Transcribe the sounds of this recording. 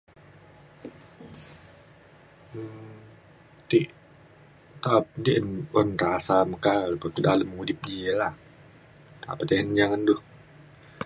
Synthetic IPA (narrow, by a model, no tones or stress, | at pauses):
t̪iʔ | t̪ap̚nd̪iʔənɔnrasaməkalpət̪udaləmudɪp̚diəlah | t̪a̰pət̪eɦənd͡ʒaŋandʊh